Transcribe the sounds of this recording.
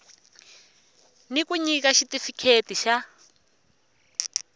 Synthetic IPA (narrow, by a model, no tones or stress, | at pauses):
nikuɲikaʃitifikʰetiʃa